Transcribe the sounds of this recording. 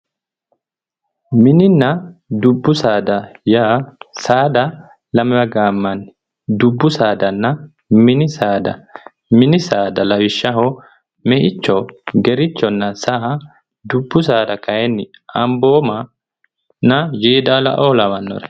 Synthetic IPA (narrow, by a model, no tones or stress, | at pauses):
mɪnɪnːɐd̪ʊbːʊsaːd̪ɐjaːsaːd̪ɐ | lɐmɪbɐɡaːmːɐnːɪ | d̪ʊbːʊsaːd̪ɐnːɐ | mɪnɪsaːd̪ɐ̰ | mɪnɪsaːd̪ɐlɐwɪʃːɐɦo | mɛʔɪt͡ʃːɔɡɛɾɪt͡ʃːɔnːɐsaʔ | d̪ʊbːʊs̬aːd̪ɐkɐjɛnːɪ | ɐmboːmɐ | nɐjeːd̪aːlɐ̰ʔoːlɐmɐnːɔ̰ɾɛ̥